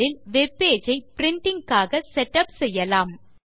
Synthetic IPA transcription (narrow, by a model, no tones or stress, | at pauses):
ɪlʋɛpːeːd͡ʒɐɪpɪɾɪɳʈɪŋkaːɣɐsɛʈːɐpsɛjːɐlaːm